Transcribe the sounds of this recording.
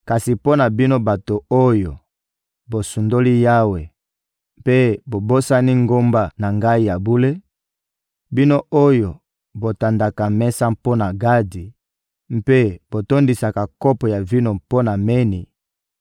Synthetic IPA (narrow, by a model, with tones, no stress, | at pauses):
ka˨si˨po˦na˨bi˦no˦ba˨to˨o˦jo˨ | bo˨su˨ndo˦li˦ja˦we˨ | mpe˦bo˨bo˦sa˦ni˦ŋɡo˦mba˦na˨ŋɡa˦i˦ja˨bu˦le˦ | bi˦no˦o˦jo˨ | bo˨ta˨nda˨ka˨mɛ˦sa˦mpo˦na˨ɡa˦di˨ | m̩˦pe˦b̥o˨to˦ndi˨sa˨ka˨ko˦pɔ˨ja˨vi˦no˦po˦na˨me˦nḭ˨